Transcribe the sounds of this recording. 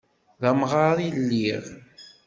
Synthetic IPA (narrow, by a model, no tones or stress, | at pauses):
ðæmʁaɾilːiʁ